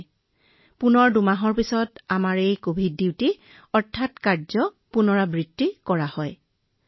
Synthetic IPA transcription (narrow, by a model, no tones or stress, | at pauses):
punɔɹdumaɦɔɹpisɔtamaɹejkobʱidiwti | ɔɹtʰːatkaɹzɔ | punɔɹabɹidːikɔɹahɔj